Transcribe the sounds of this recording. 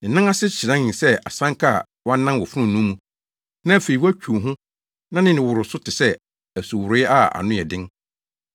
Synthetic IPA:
nɪ̃˨nã˦a˦sɪ˦ɕɪ˨nã˦ɪ̃˨sɛ˦a˨sã˦ŋ˦kʰa˦˨ | wã˦nːã˦nwɔ˨fʊ˦ʊ̃˦˨nũ˦mũ˦ | nã˦˨fe˨i˨wæ˦t͡ɕʰᶣu˨o˨ɦʊ̃˦ | nã˦nɪ̃˦nɪ̃˨wʊ˨ɾʊ˨sʊ˦tʰɪ˨sɛ˦ | æ˨su˨wʊ˨ɾɪ˦a˦a̰˨nʊ̃˦˨ɛ˨dɪ̃˦ŋ

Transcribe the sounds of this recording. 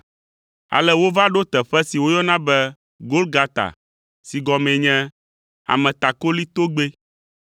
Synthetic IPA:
a̰˨lɛ˦wo˦va˦ɖo˦t̪ɛ˨ɸɛ˦si˨wo˦jɔ˦nã˦bɛ˦ | ɡo˦lɡa˦t̪a̰˨ | si˨ɡɔ˨mɛ̃˨ɲɛ̃˦ | a̰˨mɛ̃˨t̪a˨ko˦li˦t̪o˦ɡ͡be˦

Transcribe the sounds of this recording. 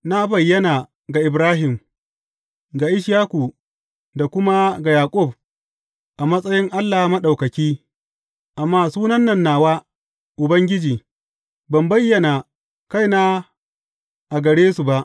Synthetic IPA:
na˦bɐ˨jːɐ˦naː˨ | ɡa˨ʔɪ˨bɾaː˦ɦɪ˨m | ɡa˨ʔɪ˦ʃ̬jaː˦ku˨ | da˨kʷʊ˦ma˦ɡa˨jaː˨kʷʼʊ˦˨b̚ | ʔa˨mɐ˦sʼɐ˦jɪ˦ŋʔa˦lːaː˨˦mɐ˦ɗa˨wkɐ˨kʲiː˦ | ʔa˨mːaː˨˦˨suː˦nɐ˦nːɐ˨nːaː˨waː˦ | ʔʊ˨bɐ˦ŋɡʲɪ˦d͡ʒiː˨ | bɐ˨mbɐ˦jːɐ˨na˨ | ka˦jnaː˦ | ʔa˨ɡɐ˨ɽeː˦su˨ba˦˨ʔ

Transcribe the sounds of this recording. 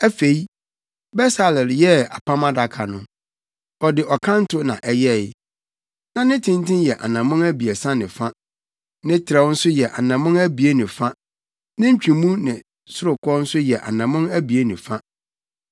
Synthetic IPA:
æ˦fe˨i˦ | bɛ˦sa˨lɪ˨ljɛ˦a̰˨pʰa˦mã˦da˨kʰa˨nʊ̃˦ | ɔ˨dɪ˨ʔɔ˨kʰã˦n̩˦tʰʊ˦nã̰˨ʔɛ˦jɛ˦˨ɪ˦ | nã˦nɪ̃˦tʰɪ̃˦ntɪ̃˦njɛ˨ʔa̰˨nã˨mʊ̃˦næ˦bi˨ɛ˨sã˦nɪ̃˨fa˦ | nɪ̃˦tʰɪ˨ɾɛ˦wʊ˦n̩˦sʊ˦jɛ˨ʔa˨nã˨mʊ̃˦næ˦bi˨e˦nɪ̃˨fa˦ | nɪ̃˦ɲ̩˦t͡ɕᶣĩ˨mũ˦nɪ̃˨ | sʊ˦ɾʊ˨kʰɔ˦n̩˦sʊ˦jɛ˨ʔa˨nã˨mʊ̃˦næ˦bi˨e˦nɪ̃˨fa˦

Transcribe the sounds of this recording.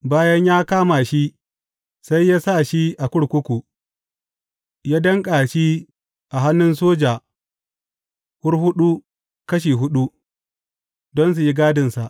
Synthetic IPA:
baː˦jɐ˦ɲjaː˦kaː˦ma˨ʃi˦ | sa˦jːaː˦sa˦˨ʃi˦ʔa˨kʷʊ˦ɽkʷʊ˦kʷu˨ | jaː˦dɐ˦ŋkʼaː˨ʃi˦ | ʔa˨ɦa˦nːʊ˦ns̬oː˦d͡ʒaː˨ | wʊ˦rhʊ˦ɗu˦ | kɐ˦ʃ̬iː˨ɦʊ˦ɗu˦ | dɔ˦ns̬u˨ji˦ɡaː˦dɪ˨nsa˨ʔ

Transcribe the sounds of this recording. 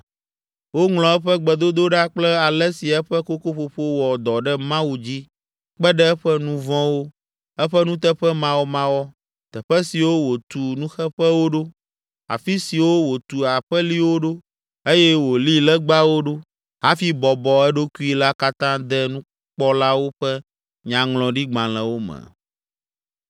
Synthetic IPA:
wo˦ŋlɔ̃˨ɛ˦ɸɛ˦ɡ͡bɛ˨d̪o˦d̪o˦ɖa˦k͡plɛ˦a˨lɛ˦si˨ɛ˦ɸɛ˦ko˦ko˦ɸo˨ɸo˦wɔ˨d̪ɔ˨ɖɛ˦mã˦wu˨d͡ʑi˦ | k͡pɛ˦ɖɛ˦ɛ˦ɸɛ˦nũ˦vɔ̃˦wo˦ | ɛ˦ɸɛ˦nũ˦t̪ɛ˦ɸɛ˦mã˦wo˦mã˦wɔ˦ | t̪ɛ˨ɸɛ˦si˨wo˦wo˨t̪u˨nũ˦xɛ˦ɸɛ˦wo˦ɖo˦ | a̰˨fi˦si˨wo˦wo˨t̪u˨a˨ɸɛ˦li˦wo˦ɖo˦ | e˦jɛ˦wo˨li˦lɛ˦ɡ͡ba˦wo˦ɖo˦ | ɦa˦fi˦bɔ˨bɔ˨ɛ˦ɖo˦ku˦i˦la˦ka˦t̪ã˦d̪ɛ˦nũ˦ | k͡pɔ˦la˦wo˦ɸɛ˦ | ɲã˨ŋlɔ̃˨ɖi˦ɡ͡bã˨l̃ɛ̃˨wo˦mɛ̰̃˨

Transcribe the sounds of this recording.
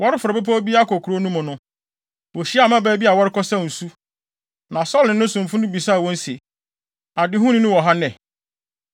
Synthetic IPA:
wɔ˦ɾɪ˦fʊ˨ɾɔ˨be˦p̬ʰɔ˦bi˦a˦kɔ˨kʰu˨ɾo˦nũ˦mʊ̃˨nʊ̃˦ | wo˨ɕi˦a˦˨mã˦bɛː˦bi˦a˨wɔ˦ɾɪ˦kɔ˦sã˦˨n̩˨su˦ | nã˨sɔ˦lɪ̃˨nʊ̃˦sʊ̃˨m̩˨fʊ˦nʊ̃˦bi˨sa˦˨wɔ̃˦n̩˦se˨ | a˨dɪ˦ɦũ˦nɪ̃˦nʊ̃˦wɔ˨ɦa˦nɛ̃˨

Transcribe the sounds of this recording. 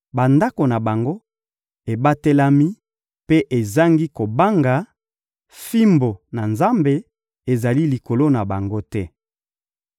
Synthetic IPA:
ba˨nda˦ko˨na˨ba˨ŋɡo˦ | e˨ba˦te˦la˦mi˦ | pe˦ʔe˨za˦ŋɡi˦ko˨ba˦ŋɡa˨ | fi˦mbo˨na˨nza˦mbe˨ | e˨za˨li˦li˨ko˨lo˦na˨ba˨ŋɡo˦tɛ˦

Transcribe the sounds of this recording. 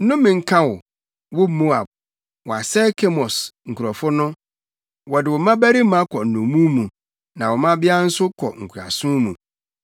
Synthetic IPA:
n̩˦nʊ̃˦mɪ̃˨ŋ̩˦kʰã˦wɔ˨ | wʊ˦mo˦a˨b̚ | wɔ˨a˨sɛ˦kʰe˦mɔ˨sŋ̩˨kʰu˨ɾɔ˨fʊ˦nʊ̃˦ | wɔ˨dɪ˨wɔ˨mã˦bæ˦ɾi˦mã˦kʰɔ˨n̩˨nʊ̃˨mũ˦mũ˨ | nã˨wɔ˨mã˦bɪ˦a˦n̩˦sʊ˦kʰɔ̰˨ŋ̩˨kʰu˨ɾa̰˨sʊ̃˦mũ˨

